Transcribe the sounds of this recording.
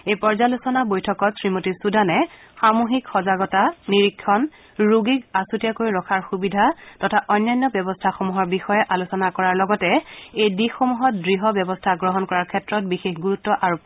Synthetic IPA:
ejpɔɹzalusɔnabojtʰɔkɔtsɹimotisudʱanɛ | xamuɦikxɔzaɡɔtaniɹikʰːɔn | ɹuɡikasutijakojɹɔkʰaɹxubidʱatɔtʰaʔɔjnːajnːɔbjɔbɔstʰaxomuɦɔɹbixɔjɛʔalusɔnakɔɹaɹlɔɡɔtɛejdixomuɦɔt̚dɹiɦɔbjɔbɔstʰaɡɹɔɦɔnkɔɹaɹkʰɛtɹɔt̚bixexɡuɹutːɔʔaɹu

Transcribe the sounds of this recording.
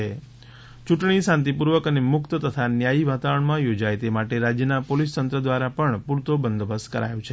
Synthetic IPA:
e | t͡ʃuʈɳ̃isãnt̪̬ipuɾʋəkənemʊkt̪ət̪ət̪ʰanjaiʋat̪aʋəɳmãjod͡ʒajt̪emaʈeɾad͡ʒjənapolist̪ənt̪ɾəd̪ʋaɾapəɳpuɾt̪obənd̪bəskəɾa̰jõt͡ʃʰe

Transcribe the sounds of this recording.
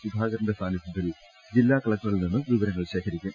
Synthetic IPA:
sud̪ʱaːɣɐɾɐɳɖɐst̪ʰaːnɐsɐt̪ːil | d͡ʑilːaːkɐɭɐk̚ʈːɐrɣɐɭilninːɨʋiʋɐɾɐŋːɐɭɕe̞ːkʰɐɾikʲːum

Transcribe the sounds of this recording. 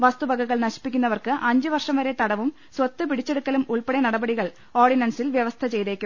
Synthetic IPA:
ʋɐst̪ubɐɡɐɣɐɭnɐɕi̥pːikʲːunːɐʋɐrkɨʔɐɲd͡ʑɨʋɐrʂɐmʋɐɾe̞t̪ɐɽɐʋum | swɐt̪ːɨpiɽit͡ɕːe̞ɽukːɐlumuɭpeɽenɐɽɐbɐɽiɣɐɭ | o̞ːrɖinɐnsilʋjeʋɐst̪ʰɐt͡ɕe̞jt̪eːkʲːum

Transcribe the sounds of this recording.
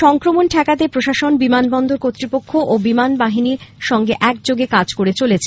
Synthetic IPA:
ʃɔŋkɾomonʈʰakat̪epɾoʃaʃonbimanbɔnd̪oɾkot̪ːɾipokʰːoʔobimanbaɦiniɾʃɔŋɡeʔɛk̚d͡ʑoɡekad͡ʑkoɾet͡ɕolet͡ɕʰe

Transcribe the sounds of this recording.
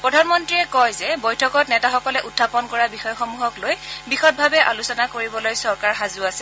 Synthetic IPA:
pɹɔdʱanmɔntɹiɛkɔjzɛbɔjtʰɔkɔt̚nɛtaxɔkɔlɛʔutʰːapɔnkɔɹabixɔjɔxɔmuɦɔklojbixɔt̚bʱabɛʔalusɔnakoɹibɔlojsɔɹkaɹxazʊasɛ

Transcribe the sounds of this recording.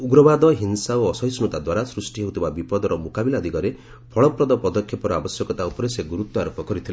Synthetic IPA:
uɡɾɔbad̪ɔɦinsaoɔsɔjsnut̪ad̪waɾasɾusʈiɦeɦut̪ʰibabipɔd̪ɔɾɔmukabilad̪ʱikɔɾe | pʰɔɭɔpɾɔd̪ɔpɔd̪ɔkʰːjɔpɔɾɔabɔsjɔkɔt̪aupɔɾeseɡuɾut̪ːɔaɾɔpɔkɔɾit̪ʰile

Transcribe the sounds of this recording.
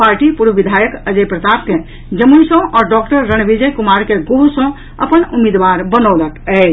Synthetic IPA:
paːɾʈipuɾʋʋid̪ʱajəkəd͡ʒəjpɾət̪ap̚ke | d͡ʒəmujsɔ̃ʔɔːɾɖɔkʈəɾːənʋid͡ʒəjkumaɾkeɡoɦusɔ̃ | ə̰pənumid̪ʋaɾbənɔːləkɛ

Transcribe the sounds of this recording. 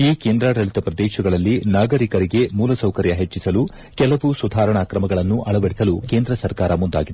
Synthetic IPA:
iːke̞ːnd̪ɾaːɽɐɭit̪ɐpɾɐd̪ɛːʃɐɡɐɭɐlːinaːɡɐɾikɐɾiɡe̞muːlɐsɐwkɐɾjɐɦet͡ʃːisɐlu | kɛlɐʋusud̪ʱaːɾɐɳaːkɾɐmɐɡɐɭɐnːuʔɐɭɐʋɐɽisɐlukeːnd̪ɾɐsɐɾkaːɾɐmund̪a̰ːɡid̪e

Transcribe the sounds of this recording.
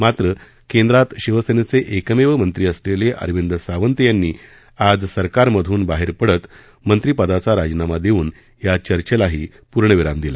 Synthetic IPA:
mat̪ɾə | kend̪ɾat̪ɕiʋəsenet͡seʔekəmeʋəmənt̪ɾiːəsleleʔə̰ɾʋind̪ɾəsaʋənt̪janːiː | ad͡zsəɾkaɾməd̪ʱuːnbaɦeɾpəɽət̪ | mənt̪ɾipəd̪at͡saɾad͡ʑnamad̪euːn | jat͡ɕəɾt͡ɕəlaɦiː | puɾɳəʋiɾamd̪ila

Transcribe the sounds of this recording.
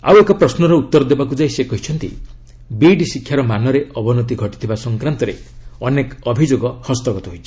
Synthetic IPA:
a̰wekapɾɔsnɔɾɔut̪ːɔɾɔd̪ebakud͡ʒajsekɔɦit͡ʃʰɔnt̪ḭ | biɖisikʰːjaɾɔmanɔɾeɔbɔnɔt̪iɡʱɔʈit̪ʰibasɔŋkɾant̪ɔɾḛɔnekɔbʱid͡ʒoɡɔhɔst̪ɔɡɔt̪ɔɦojt͡ʃʰi̥

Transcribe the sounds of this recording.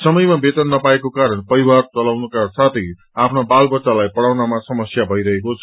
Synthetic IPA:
sʌmʌjmabet̪ʌnːʌpaekokaɾʌnpʌɾiwart͡sʌlawnukasat̪ʰʌj | apʰnabalbʌtsalajpʌɽawnamasʌmʌsjabʱʌjɾʌɦekot͡sʰʌ

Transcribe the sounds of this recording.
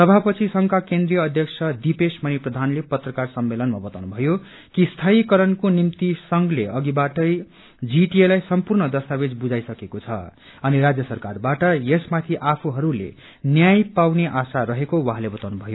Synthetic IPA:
sʌbʱapʌt͡sʰisʌŋkakend̪rijʌːd̪ʱjʌk̚sʰʌd̪ipesmʌniprʌd̪ʱanlepʌt̪rʌkarsʌmːelʌnmabʌt̪awnubʱʌjo | kist̪ʰaikʌɾʌnkonimt̪isʌŋɡleʌɡibaʈʌj | d͡ziʈielajsʌmpurnʌd̪ʌst̪abed͡zbud͡zajsʌkekot͡sʰʌ̰ | ʌniɾad͡zjʌsʌrkarbaʈʌjesmat̪ʰiʔapʰuɦʌɾulḛ | njajpawneʔasaɾʌɦekowʌɦalebʌt̪awnubʱʌjo

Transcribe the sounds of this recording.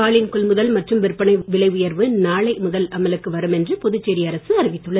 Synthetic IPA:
aːlɪnkɔɭmʊðɐlmɐʈrɯmʋɪrpːɐɳɐɪʋɪɭɐɪʋʊjɐɾʋɯnaːɭɐɪmʊðɐlɐmɐlɯkːɯʋɐɾɯmɛndrɯpɔðɯt͡ʃːeːɾɪiɐɾɐsɯɐɾɪʋɪt̪ːɯɭːɐ

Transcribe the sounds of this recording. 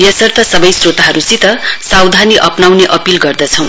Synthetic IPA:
jʌsʌrt̪ʰʌsʌbʌjsrot̪aɦʌɾusit̪ʌsawd̪ʱaniʔʌpnawneʔʌpilɡʌrd̪ʌt͡sʰʌ̃w̃

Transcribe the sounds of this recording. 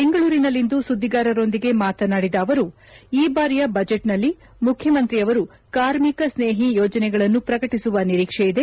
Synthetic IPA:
beŋɡɐɭuːɾinɐlːind̪usud̪ʱːiɡaːɾɐɾo̞nd̪iɡe̞maːt̪ɐnaːɽid̪ɐːʋɐɾu | iːbaːɾijɐbɐd͡ʒeʈnɐlːi | mukʰjɐmɐnt̪ɾiɐʋɐɾu | kaːɾmikɐsneːɦijɔːd͡ʒɐnɛɡɐɭɐnːupɾɐkɐʈisuʋɐniɾiːkʂejid̪e̞

